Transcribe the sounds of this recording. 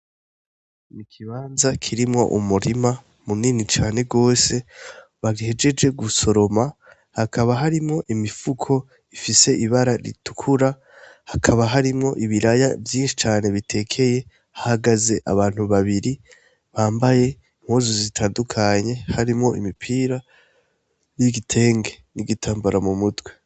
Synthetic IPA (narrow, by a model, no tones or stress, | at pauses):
nikʰiβaːnzakʰiɾimŋo̞̰ʔumuɾima | muninit͡ʃaːne̞ɡo̞ːse̞βaɡihe̞d͡ʒe̞d͡ʒe̞ɡuso̞ɾo̞ma | hakʰaβaɦaɾimŋo̞ʔimifukʰo̞ | ifise̞ʔiβaɾaɾḭtu̥kʰuɾa | hakʰaβaɦaɾimŋo̞ʔiβiɾaja̰vjiːnʃi̥t͡ʃaːne̞βitʰe̞ːkʰe̞je̞ | hahaɡaze̞ʔa̰βaːn̥huβaβiɾi | βaːmbaje̞ | mhoːzozitʰaːndukʰaɲe̞haɾimŋo̞ḭmipʰiːɾa | jiɡitʰe̞ːŋɡe̞ | niɡitʰaːmbaɾamumutwe